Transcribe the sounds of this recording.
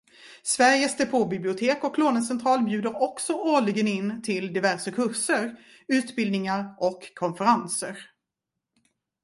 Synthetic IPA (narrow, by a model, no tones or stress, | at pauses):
svæɾjəsd̪epʰoːbɪblɪʊt̪ʰeːkɔkʰːloːnəsɛnt̪ʰɾɑːlbjʉ̟ːd̪əɾɔksɔʔoːɭɪɡənɪnːt̪ʰɪld̪ɪvæɾʂəkʰɵʂəɾ | ʉ̟ːt̪bɪld̪nɪŋaɾʔɔkʰːɔnfəɾansəɾ